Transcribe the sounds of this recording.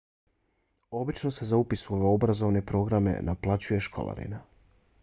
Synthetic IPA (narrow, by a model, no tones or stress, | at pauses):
o̞bit͡ʃno̞se̞zaupisuo̞ʋe̞o̞bɾazo̞ʋne̞pɾo̞ɡɾame̞̰nʔaplˠat͡ɕuje̞ʃkʰo̞̰lˠa̰ɾḭna